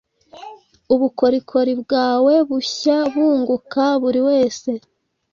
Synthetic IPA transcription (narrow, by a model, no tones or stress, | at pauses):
uβuko̞ɾikʰo̞ɾibɡaːwe̞βuçaβuːŋɡukaβuɾiwe̞ːse̞